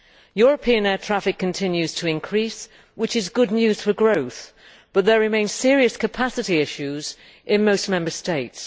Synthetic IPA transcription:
jɔɹəpʰiə̃nɛːtʰɹ̥afɪkʰːə̃ntʰɪ̃njʉz̥tʰəɪ̃nkʰɹ̥iˑs | wɪt͡ʃɪzɡʊdⁿnjʉːz̥fəɡɹoʊθ | b̥ʌt̪̚ðəɹɪmẽɪ̃nz̥sɪəɹiəskʰəpʰasɨɾiɪʃʉz | ʔɪ̃nmoʊsmɛ̃mbə˞steɪts

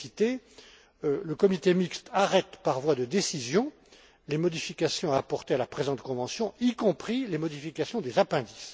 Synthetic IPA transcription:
it̪e | ləkɔmit̪emikst̪ʰaʁɛt̪paʁvwad̪əd̪esizjɔ̃ | lemɔd̪ifikʲasjɔ̃aːpɔʁt̪ealapχezɑ̃t̪kɔ̃vɑ̃sjɔ̃ikɔ̃pχilemɔd̪ifikasjɔ̃d̪ezapɛ̃d̪is

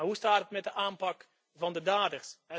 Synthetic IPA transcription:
ɦustaːtətmɛt̚dəʔaːmpɑk | vɑndədaːdərsɛ

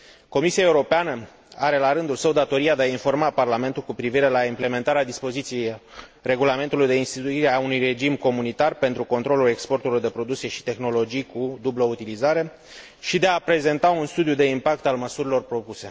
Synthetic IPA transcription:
ko̞misiaeuɾo̞peanə | aɾe̞laɾɨnd̪ulsəwd̪at̪o̞ɾiad̪e̞ainfo̞rmaparlame̞nt̪ulkupɾiviɾe̞laimple̞me̞nt̪aɾead̪ispo̞zit̪sije̞jre̞ɡulame̞nt̪ulujd̪e̞inst̪it̪uiɾeaunujre̞d͡ʒimko̞munit̪arpe̞nt̪ɾuko̞nt̪ɾo̞lule̞kspo̞rt̪ulord̪e̞pɾo̞d̪uksijeʃi̥t̪e̞xno̞lo̞d͡ʒijkud̪ublout̪ilizaɾe̞ | ʃid̪e̞apɾe̞ze̞nt̪aunst̪ud̪jud̪e̞impak̚t̪alməsuɾilo̞rpɾo̞puse̞

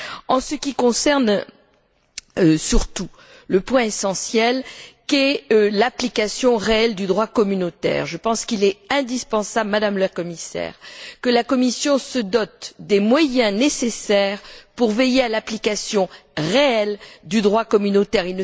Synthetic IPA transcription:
ɑ̃səkʲikɔ̃sɛʁn | øsyʁt̪u | ləpwɛ̃esɑ̃sjɛlkɛlaplikasjɔ̃ʁeɛld̪yd̪ʁwakɔmynot̪ɛ̰ːʁʒəpɑ̃skilɛɛ̃d̪ispɑ̃sablmad̪amlakɔmisɛ̰ːʁkəlakɔmisjɔ̃səd̪ɔt̪d̪emwajɛ̃nesesɛʁpuʁvejealaplikasjɔ̃ʁeɛld̪yd̪ʁwakɔmynot̪ɛʁilnə

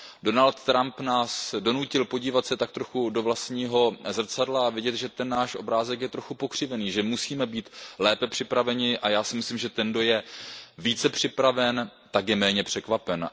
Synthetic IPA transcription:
do̞nalt̪ːɾampnaːsdo̞nucɪlpo̞ɟiːvat̪sɛt̪ak̚t̪ɾo̞xudo̞vlast̪ɲiːɦo̞zr̩t͡sadlaavɪɟɛt̪ʒɛt̪ɛnːaːʃʔo̞bɾaːzɛkjɛt̪ɾo̞xupo̞kr̝̥ɪvɛniːʒɛmusiːmɛbiːt̪lɛːpɛpr̥ɪpɾavɛɲɪʔajaːsɪmɪslimʒɛt̪ɛndo̞jɛviːt͡sɛpr̝̥ɪpɾavɛnt̪akjɛmɛːɲɛpr̝̥ɛkvapɛn

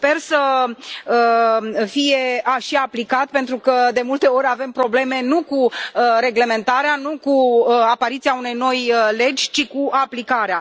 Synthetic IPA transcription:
spe̞rsə | əfije̞aʃiaplikat̪̚pe̞nt̪ɾukəd̪e̞mult̪e̞o̞ɾʲave̞mpɾo̞ble̞me̞nukuəɾe̞ɡle̞me̞nt̪aɾeanukuəapaɾit̪siaune̞jno̞jle̞d͡ʒʲt͡ʃikuaplikaɾea

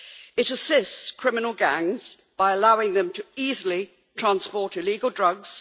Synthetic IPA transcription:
ɪɾəsɪstskʰɹ̥ɪmɪnəlˠɡæ̃ŋz̥ | b̥aɪəlaʊɪ̃ŋðə̃mtʰəiːzəli | tʰɹ̥ãnspɔˑtɪliːɡəlˠdɹʌɡz̥

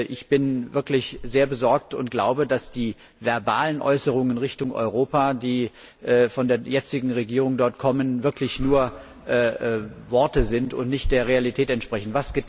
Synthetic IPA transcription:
ʔɪçb̥ɪnvɪɐklɪçz̥eːɐbəzɔɐk̚tʊ̰ntɡ̥la̰ʊbədasd̥iː | vɛɐbaːlənʔɔ̰ʏsəʁ̞ʊŋənʁɪçtʊŋʔɔ̰ʏʁoːpadiː | ʔfɔndeːɐjɛt͡sɪɡŋ̩ʁeɡiːʁ̞ʊŋdɔɐtkʰɔmənvɪɐklɪçnuːɐ | ʔʔvɔɐtəzɪntʊ̰ntnɪçt̚d̥eːɐʁ̞ealitʰɛːtɛntʃpʁ̥ɛçn̩vasɡ̥ə

